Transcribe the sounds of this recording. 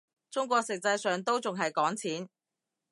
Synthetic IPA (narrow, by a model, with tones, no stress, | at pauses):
t͡sʊ˥ŋkʷɔː˧k̚sɪ˨k̚t͡sɐ˧jsœː˨ŋt̪o˥wt͡sʊ˨ŋɦɐ˨jkɔː˨˥ŋt͡sʰiː˨˥n